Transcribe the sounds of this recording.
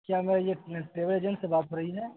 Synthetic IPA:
kjaːmɛ̃jeʈɾeːbəleːd͡ʒə̃ɳʈsebaːt̪̚kəɾəɦiɦɛː

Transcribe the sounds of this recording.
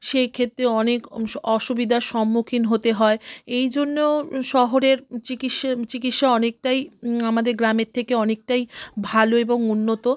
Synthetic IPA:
ʃejkʰet̪ːɾeɔnekɔʃubid̪ʱaʃɔmːukʰinɦot̪eɦɔeejd͡ʑonːoʃɔɦoɾeɾt͡ɕikiʃt͡ɕikit̪ʃaɔnek̚ʈajamad̪eɾɡɾameɾt̪ʰekeɔnek̚ʈajbʱaloeboŋunːot̪o

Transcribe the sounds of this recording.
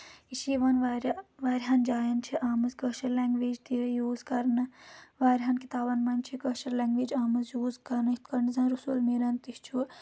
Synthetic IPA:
iʃiːʋɐnʋaɾʋaːɾʲɦɐnd͡ʒaːjɐnt͡ʃʰiʔaːmɨzkɐʃɐɾlɛːŋɡʋeːd͡ʒt̪ijoːzkɐɾnɨʋaːɾʲɦɐnkit̪aːbɐnmɐnt͡ʃʰikɐʃɐɾlɛ̃ːŋɡʋeːd͡ʒaːmɨzjoːzkɐɾnit̪kɐɾnzãnɾusulmeɾɐnt̪ist͡ʃʰu

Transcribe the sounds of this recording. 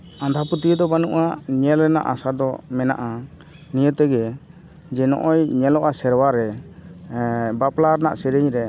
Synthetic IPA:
ãnd̪ʱaput̪id̪ɔbanuʔaɲɛlɾɛna̰ʔasad̪ɔmɛna̰ʔa | nijət̪ɛɡɛ | d͡ʒɛnɔ̰ʔɔjɲɛlɔʔasɛɾwaɾɛ | baplaɾna̰ʔsɛɾəɲɾɛ

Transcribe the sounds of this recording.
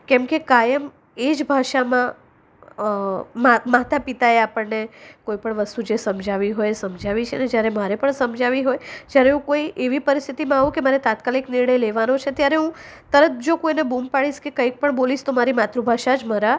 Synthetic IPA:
kɛmkekajəm | ed͡ʒbʱaʃamã | mamat̪apit̪aeapəɽnekoipəɳʋəst̪ud͡ʒesəmd͡ʒʱaʋiɦojsəmd͡ʒʱaʋit͡ʃʰened͡ʒjaɾemaɾepəɳsəmd͡ʒʱaʋiɦojd͡ʒjaɾeũkoiʔeʋipəɾist̪ʰit̪imãaʋũkemaɾet̪at̪kalikniɾɳəjleʋanot͡ʃʰet̪jaɾeɦũ | t̪əɾət̪̚ʰd͡ʒokoinebumpaɽiʃkekəik̚pəɳboliʃt̪omaɾimat̪ɾubʱaʃad͡ʒməɾa

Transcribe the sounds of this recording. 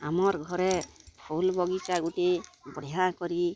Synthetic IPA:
amɔɾɡʱɔɾɛpʰulbɔɡikaɡutebɔɽiɦakɔɾi

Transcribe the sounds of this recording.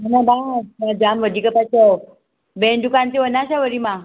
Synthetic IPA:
mənabamad͡ʑamʋəd̪ikəpat͡ɕaw | benɖukant͡seʋənaɕaʋəɾima

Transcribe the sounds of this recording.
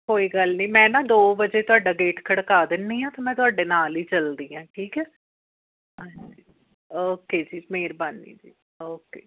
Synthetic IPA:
koːiːɡəlnĩːmɛ̃ːnãːd̪oːbəd͡ʒeːt̪ʊaːɖaːɡeːʈkʰəɽkaːd̪ɪnːiːãːt̪ãːmɛ̃ːt̪ʊaːɖeːnaːliːt͡ʃəld̪iːãːʈʰiːkɛː | əi | oːkeːd͡ʒiːmeːɾbanːḭːd͡ʒiː | oːkeː

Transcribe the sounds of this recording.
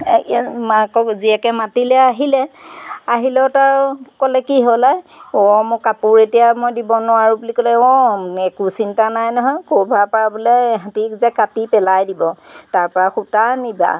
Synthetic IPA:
makɔziɛkɛmatilɛaɦilɛaɦilɛʊtaɹkɔlɛkiɦolajɔmʊkapʊɹetijamojdibɔnʊaɹubulikɔlɛɔɛkusintanajnɔɦɔjkobʱapaɹabulɛɦãtikzɛkatipɛlajdibɔtaɹpɔɹaxutaniba̰

